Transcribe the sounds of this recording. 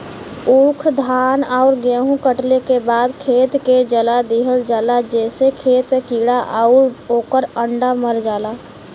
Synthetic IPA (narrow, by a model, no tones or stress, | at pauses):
uːkʰd̪ʱaːnaʊɾɡeːɦũkəʈlekebaːd̪kʰeːt̪ked͡ʒəlad̪iɦəld͡ʒəlad͡ʒɛːsekʰeːt̪kiːɽaʔaʊɾoːkəɾəɳɖaməɾd͡ʒaːlaː